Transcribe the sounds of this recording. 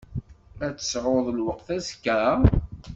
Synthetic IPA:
æt͡sːə̥sʕoðˤlwəqθæskːɾ

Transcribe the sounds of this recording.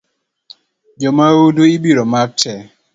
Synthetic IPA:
d͡ʒɔmawuduibiɾɔmak̚tʰɛ

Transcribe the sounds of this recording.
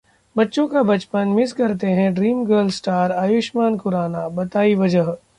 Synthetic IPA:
bɐtːʃõkabɐt͡ʃpənmɪskɐɾt̪eɦɛ̃ɖɾiːmɡəɾlsʈaːɾaːjʊʃmaːnkʊɾaːnabɐt̪aːiʋɐd͡ʒəɦ

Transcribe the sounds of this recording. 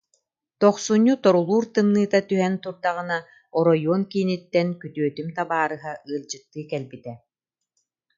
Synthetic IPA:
t̪ɔχsuɲːut̪ɔɾulˠuːɾt̪ɯnːɯːt̪at̪yɦɛnt̪uɾd̪aʁɯna | ɔɾɔjuɔnkiːnit̪ːɛnkyt̪yœt̪ymt̪abaːɾɯɦaɯːlˠd͡ʑɯt̪ːɯːkɛlbit̪ɛ

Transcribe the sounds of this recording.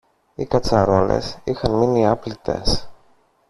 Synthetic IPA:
ikɐt͡sɐɾo̞le̞̰sixɐnminiɐplit̪e̞̰s

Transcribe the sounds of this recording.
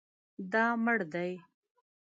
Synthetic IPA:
d̪ɑməɽd̪aj

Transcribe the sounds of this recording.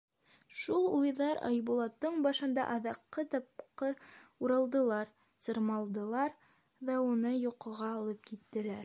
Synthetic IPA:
ʃulˠujðɑɾɑ̰jbulˠɑt̪ːɤɴbɑʃɤ̆nd̪ɑ̰ʔɑðɑqːɤt̪ɑp̚qɤɾuɾɑlˠd̪ɤ̆lˠɑɾ | sɤ̆ɾmɑlˠd̪ɤ̆lˠɑɾ | ðɑunɤjuqɤ̆ʁɑːlˠɤp̚kit̪ːɘ̆læɾ

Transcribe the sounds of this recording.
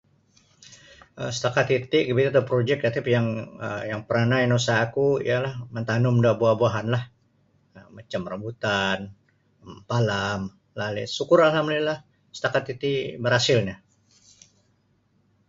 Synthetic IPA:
ə̰sə̥t̪akat̪it̪iɡəbit̪at̪apɾod͡ʒɛk̚dat̪ipjaŋə̰jaŋpəɾanainosaːkuḭjalahmənt̪anʊmdaʔbuahbuaɦanlah | əmat͡ʃamrəmbut̪an | palam | lalɛ̰sukʊɾalhamdlilah | sə̥t̪akat̪ːit̪ibəɾhasɪlɲa

